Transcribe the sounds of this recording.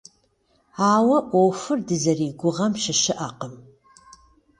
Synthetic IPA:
aːwɐʔʷowfɨrdɨzɐriːɡʷʊʁɐmʃɪʃɪʔaqəm

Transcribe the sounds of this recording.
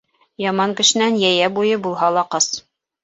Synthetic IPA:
jɑmɑŋkɘ̆ʃɘ̆nænjæjæbujɤbulˠɦɑlˠɑqɤs

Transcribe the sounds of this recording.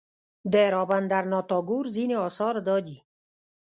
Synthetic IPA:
d̪eɾɔːband̪aɾnɔːt̪ɔːɡuːɾzineɔːsɔːɾd̪ɔːd̪i

